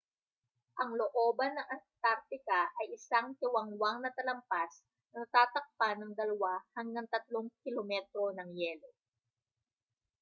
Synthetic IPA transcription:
ʔɐŋloʔo̞ːbɐnːɐŋʔɐnt̪aɾt̪ɪkaʔɐjɪsaŋt̪ɪwɐŋwaŋnɐt̪ɐlɐmpas | nɐnɐt̪aːt̪ɐk̚panːɐŋd̪ɐlɐwahɐŋɡaŋt̪ɐt̪loŋkɪlomɛt̪ɾo̞nɐŋjɛːlo̞

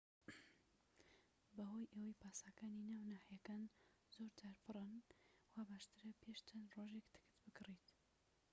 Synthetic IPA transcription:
bɐɦojʔɐwɐjpaːsaːkaːninaːwnaːħijɐkaːn | zoːɾd͡ʒaːɾpʰɨrˤɨnwabaːʃt̪ɨɾɐpʰeʃt͡ʃɐnroʒekt̪ʰɨ̥kɨ̥t̪bɨɡɨrit̪

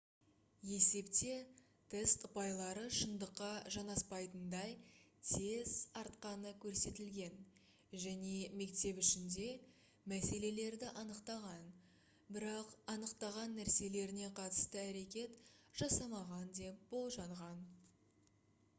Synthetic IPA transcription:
je̞se̞pt̪e̞ | t̪ʰe̞st̪ʊpɑjlˠɑɾəʃənd̪əqːɑʒɑnɑspɑjt̪ənd̪ɑjt̪ʰe̞zɑɾt̪qɑnəkʲʰɵɾse̞t̪ɪlɡʲe̞n | ʒæne̞me̞kt̪e̞pʏʃɪnd̪e̞ | mæse̞le̞le̞ɾd̪ɪʔɑnəqt̪ɑʁɑn | bɪɾɑqɑnəqt̪ɑʁɑnːæɾse̞le̞ɾɪne̞qʰɑt̪ə̥st̪əæɾe̞kʲe̞t̪ʒ̥ɑsɑmɑʁɑnd̪e̞p̚b̥o̞lˠʒɑɴʁɑn

